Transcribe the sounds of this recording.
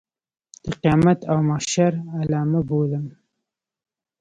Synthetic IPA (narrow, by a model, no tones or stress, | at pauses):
t̪əqijɑmat̪ʰawmaʃaɾalaːmaboləm